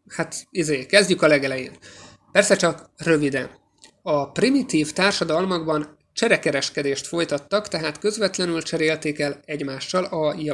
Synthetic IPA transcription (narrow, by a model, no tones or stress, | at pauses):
hat̪izeːkɛzɟykɒlɛɡɛlɛjḛːn | pɛrsɛt͡ʃɒkrø̞vid̪ɛ̰n | ɒprimit̪iːft̪aːrʃɒd̪ɒlmɒɡbɒn | t͡ʃɛɾɛkɛɾɛʃkɛd̪eːʃt̪fo̞jt̪ɒt̪ːɒkt̪ɛɦaːt̪kø̞zvɛt̪lɛnylt͡ʃɛɾeːlt̪eːkɛlɛɟmaːʃːɒlɒj